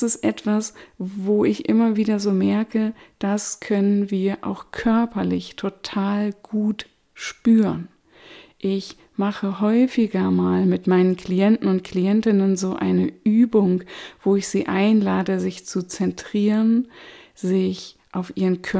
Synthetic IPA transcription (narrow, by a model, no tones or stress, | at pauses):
sɪstʔɛ̰tv̥asvoːɪçʔɪmɐviːdɐzoːmɛɐkəd̥askʰœnənviːɐʔa̰ʊxkʰœɐpɐlɪçtʰotʰaːlɡ̥uːt | ʃpyːʁən | ʔɪç | maχəɦɔʏfɪɡɐmaːlmɪtmaɪnənkliɛntn̩ʊnt̚kliɛntɪnənzoːʔa̰ɪnəʔyːbʊŋv̥oːɪçz̥iːʔaɪnlaːdəzɪçt͡sut͡sɛntʁ̥iːʁənzɪç | ʔaʊfʔiːʁənkʰœ